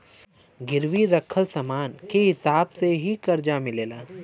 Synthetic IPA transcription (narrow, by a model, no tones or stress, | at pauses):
ɡɪɾʋiɾɐkʰəlsɐmaːnkeɦɪsaːbseɦikɐɾd͡ʒamɪleːlaː